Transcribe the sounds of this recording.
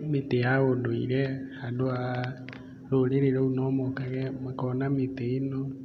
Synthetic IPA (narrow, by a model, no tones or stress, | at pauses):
metejaɣodoḭɾɛhadoa | ɾoleɾeɾɛunɔmɔkaɣɛmakɔnameteenɔ